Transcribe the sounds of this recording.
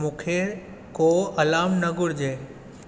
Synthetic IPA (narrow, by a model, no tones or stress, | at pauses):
mũːkʰe | koːɐlaːmnəɡʊɽd͡ʑeː